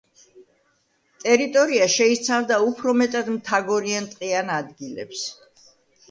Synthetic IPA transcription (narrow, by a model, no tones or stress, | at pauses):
t̪ʼɛɾit̪ʼɔɾiaʃɛit̪sʰavd̪aupʰɾɔmɛt̪ʼad̪mt̪ʰaɡɔɾiant̪ʼqʼianad̪ɡilɛ̰ps